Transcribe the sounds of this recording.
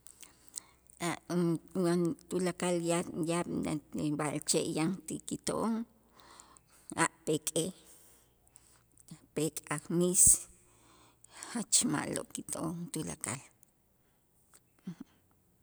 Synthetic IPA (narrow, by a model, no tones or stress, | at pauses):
aʔwant̪ulakaljajaɓnabalt͡ʃeʔjaŋt̪ikit̪oʔoŋ | aʔpekʼe | pekʼakmis | hat͡ʃma̰ʔlo̰ʔkit̪oʔoŋt̪ula̰ka̰l